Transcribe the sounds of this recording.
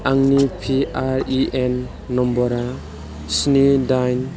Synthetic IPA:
aŋnipʰiaɾiʔenː | ɔmbɔɾa | snidajn

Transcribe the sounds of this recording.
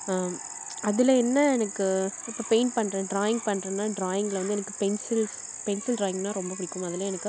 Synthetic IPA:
ɐðɪlɐɛnːɐɛnɐkːɯɪpːoːpeɪnpɐɳːɾẽːɖɾaːjɪ̃ŋɡ̚pɐɳːɾẽːnːaːɖɾaːjɪŋɡɐlʋɐnd̪ɯɛnɐkːɯ̥pɛnsɪls | pɛnsɪlʈɾaːjɪŋɡnãːɾɔmbɐpʊɽɪkːɯmɐðɪlɐɛnɐkːɯ

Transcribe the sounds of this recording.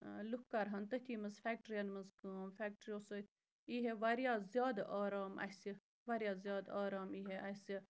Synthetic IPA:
lukːaɾɦɐnt̪ət̪ʰʲiːmɐzfæːk̚ʈɾijɐnmɐzkfæːk̚ʈɾijoːsət̪ʲ | iɦeʋɐɾjazjaːd̪ɐʔaːɾaːmɐ̰si | ʋɐɾjazijaːd̪aːɾaːmiːɦeʔɐsi

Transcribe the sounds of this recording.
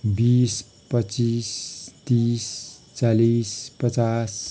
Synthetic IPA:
bis | pət͡ʃist̪ist͡salispət͡sas

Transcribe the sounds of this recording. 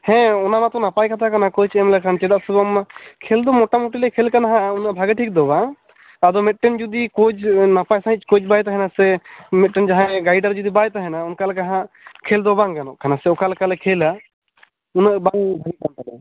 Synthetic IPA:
hɛ̃ɔnamat̪ɔnapajkʰat̪ʰakanakɔjt͡ʃʰɛmlɛkʰant͡ʃɛd̪aʔsɔbɔmakʰɛld̪ɔmɔʈamuʈilɛkʰɛlkanaɦãunabʱaɡɛʈʰik̚d̪ɔbaŋ | ad̪ɔmɛt̪̚ʈɛnd͡ʒud̪ikɔd͡ʒnapajsãɦit͡ʃkɔd͡ʒbajt̪̬aɦɛnasɛmɛt̪̚ʈɛnd͡ʒaɦãɡajɖaɾd͡ʒud̪ibajt̪aɦɛnaunkalɛkaɦã | kʰeld̪ɔbaŋkanɔʔkanasɛɔkalkalɛkʰela | unaʔbaŋbʱaɡikankad̪a

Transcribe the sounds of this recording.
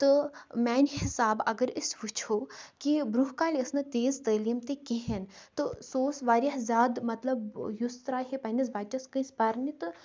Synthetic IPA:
t̪ɨmɛːnʲhɪsaːbɐɡəɾɪsʋut͡ʃʰoːkibɾuɦkaːlʲiɐsnɨt̪eːzt̪ɐːliːmt̪ekeɦent̪ɨsoːsʋaːɾʲjaɦzʲjaːd̪mɐt̪lɐbjust̪ɾaːɦipɐnʲisbaːt͡ʃɐskɨ̃spɐɾnit̪ɨ

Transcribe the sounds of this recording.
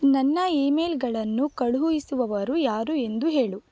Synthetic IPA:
nɐnːɐeːmeːlɡɐɭɐnːukɐɭuɦujisuʋɐʋɐɾujaːɾue̞nd̪uɦe̞ːɭu

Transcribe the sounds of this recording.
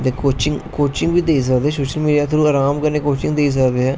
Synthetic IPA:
t̪ekoːt͡ʃɪŋɡkoːt͡ʃɪŋɡʋiːd̪eːis̬əkd̪eːɛsoːʃəlmiːɖijaːt̪ʰʊɾuːəːɾaːmkəɾneːkoːt͡ʃɪ̃ŋɡd̪eis̬əkd̪eːɦɛː

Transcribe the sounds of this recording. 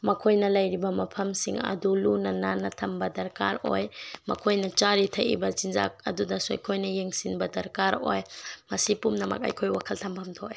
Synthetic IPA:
mɐkʰojnɐlɐjɾibɐmɐpʰɐmsiŋɐ̰dulunɐnanːɐtʰɐmbɐdɐɾka̰ɾo̰jmɐ̰kʰojnɐt͡ʃaɾitʰɐjḭbɐzinza̰k̚ɐ̰dudɐsuɐ̰jkʰojnɐjeŋsinbɐdɐɾkaɾo̰jmɐsipumnɐmɐ̰k̚ɐ̰jkʰojwakʰɐltʰɐmpʰɐmtʰo̰j

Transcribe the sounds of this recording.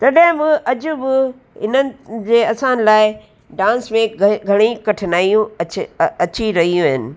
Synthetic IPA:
t̪ɐɗɦɪ̃bɪʔɐd͡ʑʊbɪ | ɦɪnənɪ̆d͡ʑeːɐsãnɪ̆laːɪɪ | ɖãːnsmẽɡʱɡʱɐɽ̃ikɐʈʰnaːijũɐt͡ɕɐt͡ɕiɾɐɦijũɦɪnɪ̆

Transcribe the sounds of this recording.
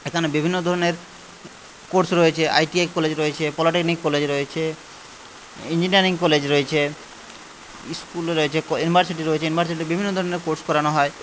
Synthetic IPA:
ekʰanebibʱinːod̪ʱɔɾoneɾ | koɾsɾoet͡ɕʰeʔa̰jʈiejkɔled͡ʑɾoet͡ɕʰepɔlaʈiknikːɔled͡ʑɾoet͡ɕʰe | iɲd͡ʑiniaɾiŋkɔled͡ʑɾoet͡ɕʰe | skulɾoet͡ɕʰekjunibʱaɾsiʈiɾoet͡ɕʰejunibʱaɾs̬iʈibibʱinːod̪ʱɔɾoneɾkoɾskɔɾanoɦɔe

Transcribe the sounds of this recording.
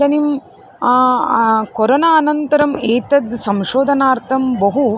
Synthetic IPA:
ɐnim | kɔɾɐnaːnɐnt̪ɐɾɐmeːt̪ɐd̪sɐmʃoːd̪ʱɐnaːɾt̪ʰɐmbɐɦu

